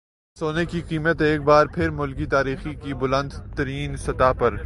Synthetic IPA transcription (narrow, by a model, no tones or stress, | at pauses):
soːnekiqiːmət̪eːk̚baːɾpʰɪɾmʊlkit̪aːɾiːxikibʊlə̃nd̪t̪ɐɾiːnsɐt̪apɐɾ